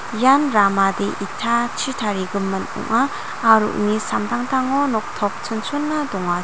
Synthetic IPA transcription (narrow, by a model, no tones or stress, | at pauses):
janɾamadeʔitʰat͡ʃʰitʰaɾiɡɯmːɯnṵŋaː | ɾṵʔnisamdaŋtʰaŋɔnɔk̚tʰɔp̚t͡ʃʰɯnsʰunːadɔŋa